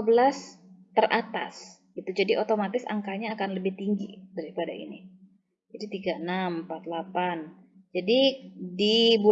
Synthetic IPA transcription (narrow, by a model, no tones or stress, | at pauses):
bəlast̪ərʔat̪a̰s | it̪ud͡ʒadiʔot̪omat̪ɪsa̰ŋkaɲakanləbɪht̪iŋɡḭd̥aɾipada̰ḭnḭ | d͡ʒadit̪iɡaənampat̪̚lapan | d͡ʒadidibu